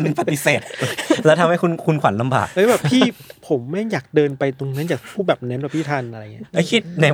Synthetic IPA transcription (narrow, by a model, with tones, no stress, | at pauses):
npa˧t̪i˧˥seː˨˩t̪̚lɛ˦˥wt̪ʰa˧mha˥˩jkʰu˧nkʰu˧nkʰwa˩˦nla˧mba̰ː˨˩k̚lɛː˦˥bɛː˨˩ppʰiː˥˧˥pʰo˩˦mːa˥˩jjaː˨˩k̚dɤː˧npa˧jt̪o˧ŋna˦˥njaː˨˩kpʰuː˥˩bɛː˨˩p̚nɛː˧˦˥mː˨˩pʰiː˥˩t̪ʰaː˧nʔɾa˧˨˩i˦˥a˧˥˩jkʰi˦˥t̪̚nɛ˧˦˥